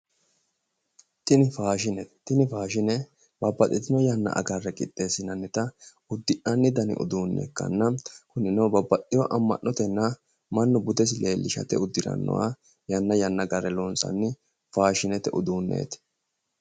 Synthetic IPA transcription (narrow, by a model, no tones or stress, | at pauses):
t̪ɪnɪfaːʃɪnɛt̪ːɪnɪfaːʃɪnɛ | bɐbːɐt̪ʼːɪt̪ɪnɔjɐnːɐ̰ʔɐ̰ɡɐrːɛkʼɪt̪ʼːe̞ːsɪnɐnːɛt̪ɐ | ʊd̪ːɪʔɐnːɪd̪ɐnɪ̰ʔʊ̰d̪uːnːɛ̰kːɐ̰nːɐkʊnɪnɐwbɐbːɐt̪ʼːɪjɔʔɐmːɐ̰ʔːɔt̪ɛnːɐ | mɐnːʊbʊd̪ɛs̬ɪleːlːɪʃɐ̰t̪ɛʊd̪ːɪɾɐ̰nːɔ̰wa̰ | jɐnːɐjɐnːɐɡɐɾɛlɔnsɐ̰nːɪ | faːʃɪnɛt̪ɛʔʊd̪uːnːḛːt̪